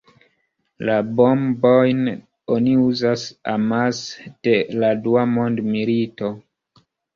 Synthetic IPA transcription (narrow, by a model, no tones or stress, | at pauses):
labo̞mbojn | oniuzasamasd̥e̞laduamo̞ndmilito̞